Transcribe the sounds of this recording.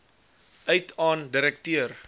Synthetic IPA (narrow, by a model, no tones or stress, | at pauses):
ʔœjtʰɑːndiɾɛk̚tiər